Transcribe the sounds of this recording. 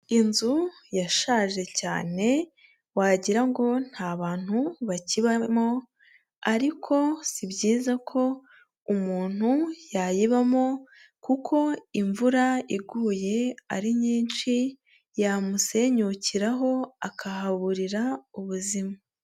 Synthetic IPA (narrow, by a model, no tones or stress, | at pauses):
inzujaʃaːʒe̞ca̰ːne̞ | waɟiɾaŋɡo̞n̥haːβaːn̥huβaciβamo̞ | aɾikʰo̞sibɟiːzakʰo̞ | umuːn̥hujajiβamo̞ | kukʰo̞iɱvuɾaiɡuːje̞a̰ɾiɲiːnʃi | jamuse̞ɲuciɾaɦo̞akʰahaβuɾiɾauβuzima